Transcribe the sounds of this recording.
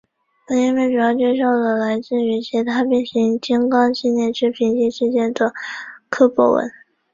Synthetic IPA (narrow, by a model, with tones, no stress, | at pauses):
ə˥i˥˧mwɛ˥˩ʈ͡ʂu˨˩jɑ˥˧ʊt͡ɕjɛ˥˧ɕ̬jɑ˥˩ʊd̪ə˨˩la˧˥ɪt͡ɕi˥˩y˧˥ɕʰɛ˧˥t̪ʰa˥p̬jɛ˥˩nɕi˧˥ŋt͡ɕi˥ŋkɑ˥ŋɕi˥˧njɛ˥˧nʈ͡ʂʰɻ̩˥pʰi˧˥nt͡ɕi˥˧ʂɻ̩˥˧t͡ɕjɛ˥˧nd̪ə˥˩kʰɤ˥pɔ̰˥wə̰˧˥˦n